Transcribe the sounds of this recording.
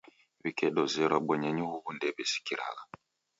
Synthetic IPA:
βikɛɗɔzɛɾɔɓɔɲaɲuɣuɣundɛbɛsi̥kiɾa̰ɣa

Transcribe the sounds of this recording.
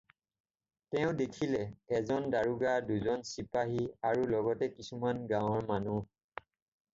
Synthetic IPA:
tɛʊ̃dekʰilɛɛzɔndaɹuɡaduzɔnsipaɦiaɹulɔɡɔtɛkisumanɡãw̃ɔɹmanu

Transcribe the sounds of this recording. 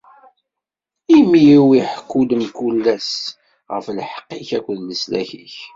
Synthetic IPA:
imijiwiħəkːuləmkulːæs | ʁəflħqːiçækʷːəðnəslæ̰çḭç

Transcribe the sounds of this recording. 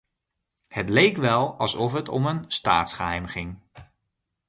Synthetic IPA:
hətlejkʋɛlˠɑlˠsɔfɦətɔmənsta̰ːtsχəɦɛjmχɪŋ

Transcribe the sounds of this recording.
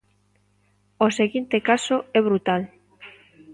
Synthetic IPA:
oseɣint̪ekasoɛβ̞ɾut̪al

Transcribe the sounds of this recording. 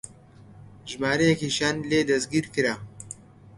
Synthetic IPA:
ʒmaːɾɐjɛkiʃaːnleːd̪ɐsɡiːɾkɨɾa

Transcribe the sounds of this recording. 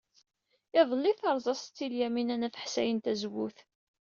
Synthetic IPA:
ɪðˤəlːiθɑɾˤzˤɑsˤt͡s̪ːiljæminænæθə̥ħsæjənt̪æzwuθ

